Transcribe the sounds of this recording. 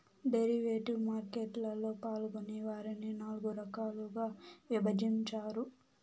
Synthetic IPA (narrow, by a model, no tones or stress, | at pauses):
ɖeɾiʋeːʈumaːɾkeʈlɐlːo̞ːpaːluɡoniʋaːɾininaːluɡuɾɐkaːluɡaːʋibɐd͡ʒiɲt͡ʃaːɾu